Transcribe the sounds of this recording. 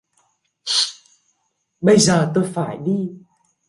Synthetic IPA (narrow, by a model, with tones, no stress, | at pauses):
ɓə˧jzəː˨˩t̪o˧jfaː˧˩jɗi˧